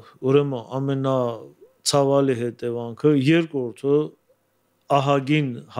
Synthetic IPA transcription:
uɾɛməɑmɛnɑ | t͡sʰɑvɑliɦɛt̪ɛvɑŋkʰəjɛɾkɾɔɾt̪ʰə | ɑɦɑɡinh

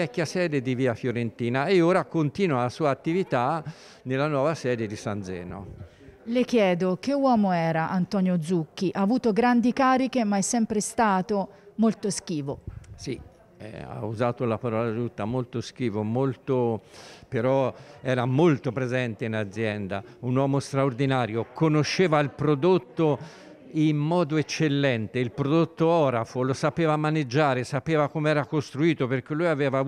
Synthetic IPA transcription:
ɛkːjasɛːd̪ed̪iviːafjoɾent̪iːnaeoːɾakont̪iːnwaasuːaːt̪ːivit̪a | nelːanwɔːvasɛːd̪ed̪isand̪zɛ̰ːno̰ | lek̟jɛːd̪ok̟ewɔːmoɛːɾaʔant̪ɔːnjod̪zuk̟ːiʔaːvuːt̪oɡɾand̪ikaːɾikemaɛsːɛmpɾest̪aːt̪omolt̪osk̟iːvosi | ɛ̰a̰uzaːt̪olapaɾɔːlad͡ʒut̪ːamolt̪osk̟iːvomolt̪opeɾɔɛːɾamolt̪opɾezɛnt̪einad̪zːjɛnd̪a̰unwɔːmost̪ɾaord̪inaːɾjokʰonoʃːeːvailpɾod̪ot̪ːo | imːɔːd̪oet͡ʃːelːɛnt̪eilpɾod̪ot̪ːoɔːɾafolosapeːvamaned͡ʒːaːɾesapeːvakomeɛːɾakost̪ɾuiːt̪operk̟elːujavɛːva

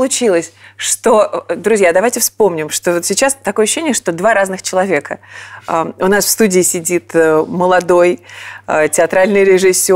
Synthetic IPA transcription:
lˠʊt͡ɕilˠəsʲʂt̪od̪ɾʊzʲjad̪ɐvajtʲɪfspo̞mnʲɪmʂt̪ovot̪sʲɪt͡ɕast̪ːɐkoəɕːɕenʲɪjəʂt̪o̞d̪vaɾaznɨxt͡ɕɪlˠɐvʲe̞kəəʊnasfst̪udʲɪːsʲɪdʲit̪əməlˠɐd̪o̞jətʲɪɐt̪ɾalʲnɨjɾʲɪʐɨsʲːo

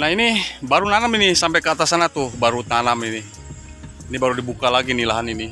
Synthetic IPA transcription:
naɦinibaɾunanaminisampɛkəat̪asanat̪uhbaɾut̪anamini | inibaɾudibukalaɡinilaɦanini

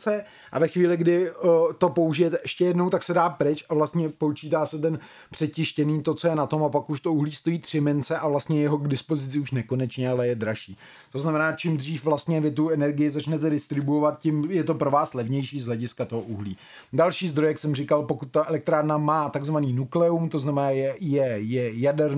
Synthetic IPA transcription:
t͡sɛ | ʔa̰vɛxʋiːlɪɡdɪt̪o̞po̞uʒɪjɛt̪ɛʔɛʃcɛjɛdno̞wt̪aksɛdaːpɾɪt͡ʃavlast̪ɲɛpot͡ʃiːt̪aːsɛt̪̬ɛn | pr̥ɛcɪʃcɛniːt̪o̞t͡so̞jɛnat̪o̞mapakuʃt̪o̞uɦliːst̪o̞jiːt̪r̝̥ɪmɛnt͡sɛʔavlast̪ɲɛjɛɦo̞ɡdɪspo̞zɪt͡sɪuʃnɛko̞nɛt͡ʃɲɛalɛjɛd̪ɾaʃiː | t̪o̞znamɛnaːt͡ʃɪmd̪r̝iːfvlast̪ɲɛvɪt̪uɛnɛɾɡɪjɪzat͡ʃnɛt̪ɛdɪst̪ɾɪbuovat̪̚cɪmjɛt̪o̞pɾo̞vaːslɛvɲɛjʃiːzɦlɛɟɪskat̪o̞ɦoʔuɦlḭː | dalʃiːzd̪ɾojaksɛmrɪkalpo̞kut̪̚ːaʔɛlɛk̚t̪ɾaːɾnamaːt̪aɡzvaniːnuklɛumt̪oznamɛnaːjɛjɛjɛjadɛɾ

